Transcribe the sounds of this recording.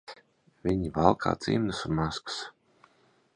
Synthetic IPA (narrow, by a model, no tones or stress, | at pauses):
vʲiɲivalˠkʰa̰ːt̪zḭmnɨsunmaskɨ̥s